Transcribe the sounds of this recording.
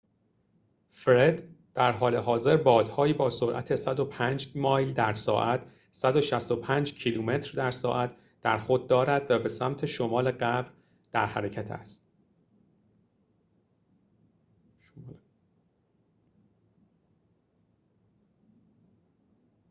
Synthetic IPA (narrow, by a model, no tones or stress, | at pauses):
fɾed̪d̪̥æɾɦɒːle̞ɦɒːze̞ɾbɒːd̪̥hɒːjiːbɒːsoɾʔæ̰t̪ʰe̞sæd̪o̞pʰæːnd͡ʒmɒːjld̪æɾsɒ̰ːʔæt̪ʰ | sæd̪o̞ʃæst̪o̞pʰæːnd͡ʒcʰiluːme̞t̪ʰɾd̪æɾsɒ̰ːʔæt̪ʰ | d̪̥æɾxod̪̚dːɒːɾæd̪̥væbe̞sæmt̪ʰe̞ʃomɒːle̞ɢæbɾ | d̪̥æɾhæɾecʰæt̪ʰæ̰st̪